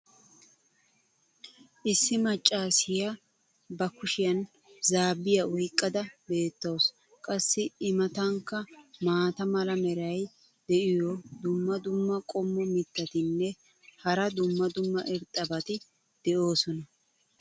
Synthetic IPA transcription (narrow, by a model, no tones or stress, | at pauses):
ʔɪsːɪmɐt͡ʃʼːaːsɪjɐ | bɐkʊʃɪjɐn | zaːbːɪjɐʔɔjkʼːɐd̪ɐbe̞ːt̪ːɐws | kʼɐsːɪɪmɐt̪ɐŋkːɐmaːt̪ɐmɐlɐmɛɾɐj | d̪̥ɛʔɪjɔd̪ʊmːɐd̪ʊmːɐkʼɔmːɔmɪt̪ːɐt̪ɪnːɛ | hɐɾɐd̪ʊmːɐd̪ʊmːɐʔɪɾt̪ʼːɐbɐt̪ɪ | d̪̥ɛʔo̞ːsɔnɐ